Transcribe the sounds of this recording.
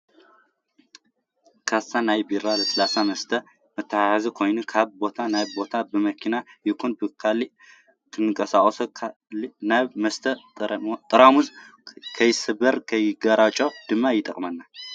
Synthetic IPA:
kʰasːanajbiɾaləsəlasaməst̪ʰə | mət̪ʰːajajazɨkʰo̞jnɨkʰaβbo̞t̪ʰanajbo̞t̪ʰabəməkʰinajɪkʰonbɨkʰalːi | t̪ʰɨnːɨkʼəsakʼosə | naməst̪ʰət̪ʼɨɾamuz | kʰəjɪsɨbəɾkʰəjɪɡɐɾat͡ʃʼawd̪̥ɨmːajɪt̪ʼə̰kʼmənːa

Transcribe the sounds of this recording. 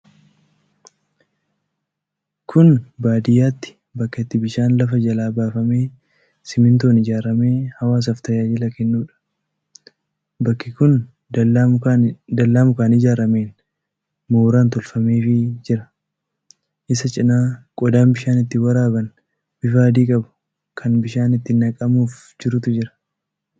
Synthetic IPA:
kʰʊnbaːd̪ɪjaːt̪ːɪ̥ | bɐkːɐɪt̪ːɪbɪʃaːnlɐfɐd͡ʒɐlaːbaːfɐme̞ː | sɪmɪnt̪oːnɪd͡ʒaːɾɐme̞ːhɐwaːs̬ɐft̪ɐjaːd͡ʒɪlɐkɛnːuːᶑɐ̥ | bɐkːɪkʊn | d̪ɐlːaːmʊkaːnɪd͡ʒaːɾɐmeːn | moːɾaːnt̪ɔlfɐme̞ːfɪd͡ʒɪɾɐ | ʔɪsɐt͡ʃʼɪnaːkʼɔd̪aːnbɪʃaːnɪt̪ːɪwɐɾaːbɐn | b̥ɪfaːd̪iːkʼɐbʊ̥ | kʰɐnbɪʃaːnɪt̪ːɪnɐkʼɐmuːf | d͡ʒɪɾʊt̪ʊd͡ʒɪɾɐ̥

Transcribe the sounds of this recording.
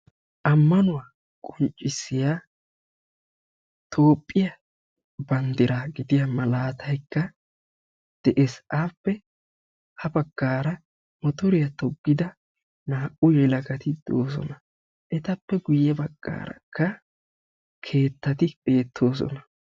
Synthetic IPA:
ʔɐmːɐnʊwaː | kʼɔnt͡ʃʼːɪsːɪjaː | t̪ʰo̞ːpʼːɪjɐ | bɐnd̪ɪɾaːɡɪd̪ɪjɐmɐlaːt̪ʰɐjkːɐ | d̪̥ɛʔɛsaːpːɛ | hɐbɐɡ̥ːaːɾɐ | mɔt̪ɔɾɪjɐt̪ɔɡːɪd̪ɐ | naːʔʊjɛlɐɡɐt̪ɪd̪̥o̰ːs̬ɔ̰nɐ | ʔɛt̪ɐpːɛɡʊjːɛbɐɡ̥ːa̰ːɾɐ̰kʰːɐ | kʰe̞ːt̪ːɐt̪ɪbe̞ːt̪ʰːo̞ːs̬ɔ̰nɐ

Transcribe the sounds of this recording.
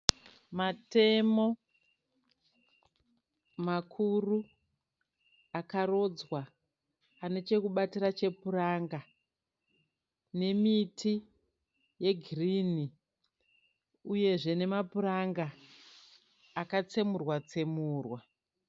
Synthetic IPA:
mate̞mo̞ | makʰuru | akaro̞d͡zwaː | ne̞t͡ʃe̞kuɓatirat͡ʃe̞puraŋɡa | ne̞mitʰi | je̞ɡʱiriːni | uje̞ʐe̞ne̞mapuɾaŋɡa | kat͡se̞murwat͡se̞muːrwa

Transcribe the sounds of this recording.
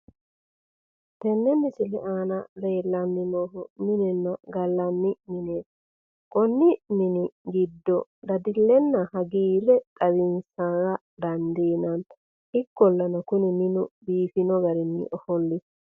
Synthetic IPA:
t̪ɛnːɛmɪsɪlɛʔaːnɐle̞ːlːɐnːɪnoːɦʊmɪnɛnːɐɡɐlːɐnːɪmɪneːt̪ | kʼɔnːɪmɪnɪɡɪd̪ːɔd̪ɐd̪ɪlːɛnːɐhɐɡiːɾɛt̪ʼɐwɪnsaːɾɐ | d̪ɐnd̪iːnɐnt̪ɐ | ɪkːɔlːɐnɐkʊnɪmɪnʊbiːfɪnɔɡɐɾɪnːɪ̰ʔɔhɔlːɪs

